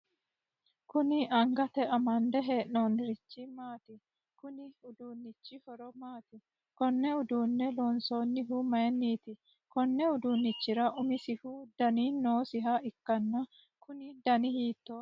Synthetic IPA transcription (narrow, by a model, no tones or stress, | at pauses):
kʊnɪʔɐŋɡɐt̪ɛʔɐmɐnd̪ɛɦeːʔno̞ːnɾɪt͡ʃːɪmaːt̪ɪ | kʊnɪʊd̪uːnːɪt͡ʃːɪhɔɾɔmaːt̪ɪ | kɔnːɛʊd̪uːnːɛlo̞ːnso̞ːnːɪɦʊmɐjɛnːiːt̪ɪ | kɔnːɛʊd̪uːnːɪt͡ʃːɪɾɐʔʊmɪsɪhʊd̪̥ɐniːno̞ːsɪɦɐɪkːɐnːɐ | kʊnɪd̪ɐnɪhiːt̪ːoː